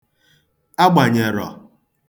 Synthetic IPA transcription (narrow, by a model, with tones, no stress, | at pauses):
a˦ɡ͡ba˨ɲe˨ɾɔ̰˨